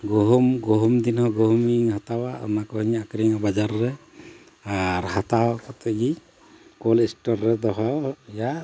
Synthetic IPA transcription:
ɡɔɦɔmɡɔɦɔmd̪inhɔɡɔɦɔmiŋhat̪awaɔ̰makɔhiɲakɾiŋabad͡ʒaɾːɛ | aɾhat̪akɔt̪ɔɡi | kɔlisʈɔɾːɛd̪ɔɦɔja

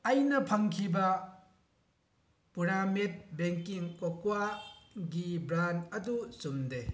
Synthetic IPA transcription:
ɐjnɐpʰɐŋkʰibɐ | puɾamet̚beŋkiŋkokwaɡibɾanɐdusumde

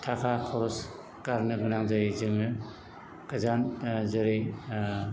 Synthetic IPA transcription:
tʰakʰakʰɔɾɔs | kaɾnɯɡɯnaŋzaɾizɯŋɯ | kɯzanzɯɾɯj

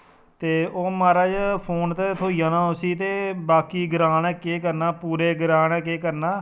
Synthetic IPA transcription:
t̪eːoːmaːɾaːd͡ʒpʰoːnt̪eːt̪ʰoːijãːnãːosiːt̪eːbaːkiːɡəɾaːnɛ̃ːkeːkəɾnaːpuːɾeːɡəɾãːɳɛ̃ːkeːkəɾnaː

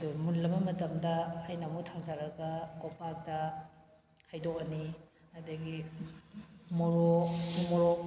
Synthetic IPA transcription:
ɐdumunlɐmɐmɐtɐmdɐːjnamutʰaŋtʰaɾɐɡɐkompak̚tɐ | hajdokɐni | ɐdɐɡi | moɾonumɔɾo

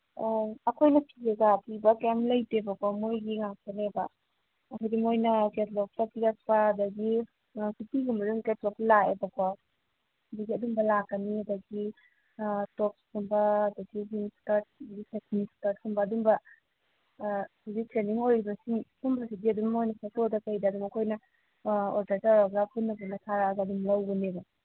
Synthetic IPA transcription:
ɐkʰojnɐpʰieɡapʰibɐkemlɐjtebɐkwamojɡiŋak̚kɐnebɐː | kʰajdimojnɐketlɔk̚tapiɾak̚pɐɐdɐɡi | kitiɡumbɐɾuŋketlɔklaebɐkwa | ɐdɐɡiɐdumbɐlakːɐniɐdɐɡi | tok̚skumbɐːdɐɡiɦiŋskaɾt̚dɡisʰekʰnistat̚kumbɐːdumbɐ | uzitɾeniŋojɾibɐsiŋhumbɐsidiɐdummojnɐpʰatodɐkɐjdɐːdumɐkʰojnɐ | oɾdɐɾtaaɡapunːɐbunɐtʰaɾaɡɐɐdumlɐwɡɐnebɐ

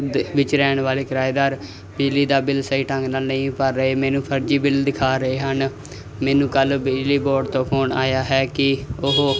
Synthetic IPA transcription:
d̪ʋɪt͡ʃɾɛːɳʋaːleːkəɾaːjd̪aːɾ | bɪd͡ʒliːd̪aːbɪlsəiːʈə̃ŋɡnaːlnəĩːpəɾːəɦeːmɛ̃ːnũːpʰəɾd͡ʒiːbɪld̪ɪkʰaːɾəeːɦən | mɛːnũːkəlbɪd͡ʒliːboːɖt̪õːpʰoːna̰ːjaːɦɛːkɪʊɦ

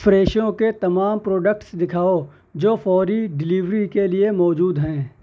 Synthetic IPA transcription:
fɾeːʃjõket̪ɐmaːmpɾoːɖək̚ʈsd̪ɪkʰaːo | d͡ʒoːfɔːɾiɖɪliʋɾikeliemɔːd͡ʒuːd̪ɦɛ̃ː

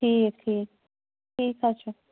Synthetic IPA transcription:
ʈʰiːkʈʰiːk̚ | ʈʰiːkɦat͡ʃʰu

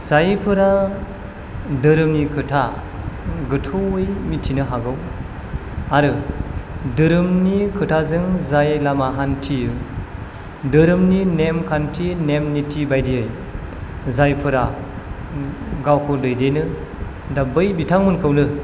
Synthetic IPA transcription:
z̥ajpʰɯɾa | dɯɾɯmnikʰɯtʰa | ɡɯtʰɔɯjmitʰinɯɦaɡɯw | aɾɯ | dɯɾɯmnikʰɯtʰazɯŋzajlamaɦantʰiɯ | dɯɾɯmninemkʰantʰinemnitʰibajdiɯj | zajpʰɯɾa | ɡawkʰɯdɯjdejnɯ | dabɯjbitʰaŋmɯnkʰɯwnɯ

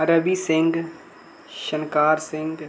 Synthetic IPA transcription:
ɐɾəbisɪ̃ŋɡ | ʃənkaːɾsɪ̃ŋɡ

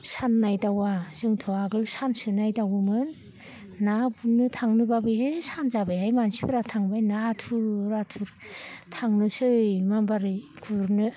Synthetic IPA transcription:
sanːajdawazɯŋtʰɔaɡɯlsansɯnajdawɯmɯnː | abunɯtʰaŋnɯbabɯesanzabajɦajmansibɯɾatʰaŋbajnatʰuɾɾatʰuɾtʰaŋnɯsɯjmambaɾɯɡʰuɾnɯ

